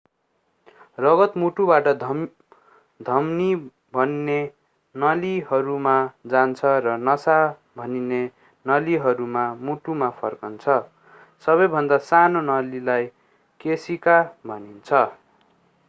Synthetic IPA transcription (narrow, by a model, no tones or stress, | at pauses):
rʌɡʌt̪muʈubaʈʌd̪ʱ | d̪ʱʌmni | bʱʌnːe | nʌliɦʌɾumad͡zant͡sʰʌrʌnʌsa | bʱʌnine | nʌliɦʌɾumamuʈumapʰʌrkʌnt͡sʰʌ | sʌβʌjbʱʌnd̪asanonʌlilaj | kesikabʱʌnint͡sʰʌ